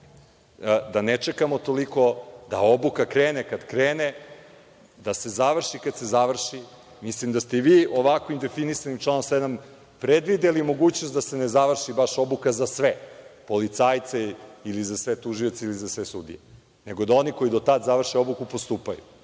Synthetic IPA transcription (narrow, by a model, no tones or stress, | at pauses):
d̪anet͡ʃekamot̪o̞liko̞d̪a̰o̞bukakɾeːnekad̪kɾeːne | d̪ase̞zaʋr̩ʃikad̪se̞zaʋr̩ʃi | mislimd̪ast̪eiʋiːo̞ʋakʋimd̪e̞finisanimt͡ʃlˠanomsed̪am | pɾed̪ʋid̪elimo̞ɡuːt͡ɕnost̪d̪ase̞nezaʋr̩ʃibaʃo̞bukazasʋepo̞lit̪saːjt̪seilizasʋet̪uʒio̞t̪seilizasʋesud̪ḭje | neɡo̞d̪ao̞niko̞id̪ot̪ad̪zaʋr̩ʃeo̞bukupo̞st̪uːpajṵ